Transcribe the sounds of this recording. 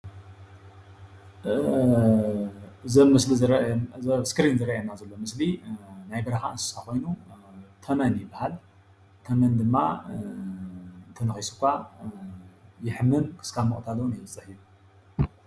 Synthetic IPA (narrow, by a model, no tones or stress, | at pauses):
ɨzɐmɨsliɾɐskɾinzɨɾɐʔjɐnːazɐlːo̞mɨslinajbɐɾɐxaɨnsɨ̥sakʰo̞jnut̪ʰɐmɐnjɪbːahal | t̪ʰɐmɐnd̪ɨmːa | t̪ʰɐnɐxisu̥kʷːa | jɪħmːɨnkʰɨ̥skʰamɐχʼt̪ʰalɐwnebɨt͡sʼɨħiju